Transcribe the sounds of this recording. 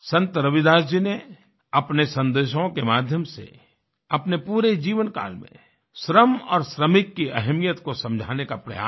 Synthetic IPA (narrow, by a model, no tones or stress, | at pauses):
sɐ̃nt̪əɾɐʋɪd̪aːsd͡ʒine | ɐpnesɐ̃nd̪eːʃõkemaːd̪ʱjəmsḛ | ɐpnepuːɾed͡ʒiːʋənka̰ːlmḛ̃ | ʃɾəmɔ̰ːɾʃɾəmɪkːiɐɦmijət̪kosɐ̃md͡ʒʱa̰ːnekapɾɐ̰ja̰ː